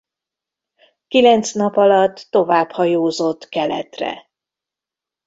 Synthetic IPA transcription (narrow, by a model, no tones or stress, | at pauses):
kilɛnt̪snɒpɒlɒt̪ːo̞vaːphɒjoːzo̞t̪ːkɛlɛ̰t̪rɛ̰